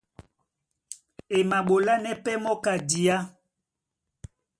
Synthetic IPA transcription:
e˨ma˨ɓo˨la˦nɛ˦pɛ˦mɔ˦ka˨di˨a˦

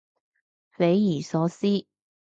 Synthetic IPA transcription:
fe˨˥jjyː˨˩sɔː˨˥siː˥

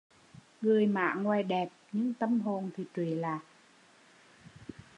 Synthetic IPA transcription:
ŋɨ˨˩əjma̰ː˧˨ŋwaː˨˩jɗɛ˨˩p̚ɲɨ̰˧˥ŋt̪ə˧mɦo˨˩nt̪ʰi˨˩t͡ɕ̪wi˧˨˩laː˨˩˨ʔ

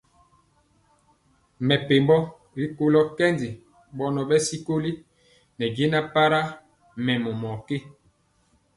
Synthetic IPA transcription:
mɛ˨pe˨mbɔ˦ | ɾi˦ko˦lɔ˦kɛ˦ndi˨ | ɓɔ˦nɔ˨ɓɛ˦si˦ko˦li˦ | nɛ˨d͡ʒe˦na˦pa˦ɾa˦ | mɛ˨mɔ˨mɔ˨ke˦˨

